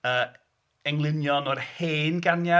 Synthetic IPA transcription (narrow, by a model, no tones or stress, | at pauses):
əː | ɛŋlˠɪnjɔnɔrheːnɡanja